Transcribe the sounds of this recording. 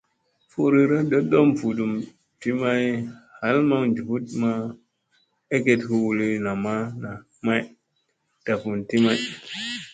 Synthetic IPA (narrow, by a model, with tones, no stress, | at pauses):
fu˦ɾi˦ɾa˦ɗə˦do˦mfu˨du˨m | ti˦ma˦jha˨˦lma˦ŋnd͡ʒu˨pu˦tma˦ | e˦ke˦tku˦wu˨li˦na˨ma˦na˨ | ma˦j | d̥a˨fu˨nti˦ma˦j